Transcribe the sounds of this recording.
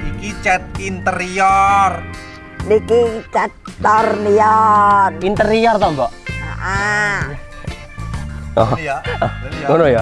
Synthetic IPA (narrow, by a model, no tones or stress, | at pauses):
ikit͡ʃɛt̪̚int̪əɾijɔr | nikit͡ʃɛt̪ːɔrniɔtint̪əɾijɔrt̪ɔmbɔʔa̰ʔa | ɔ | konoja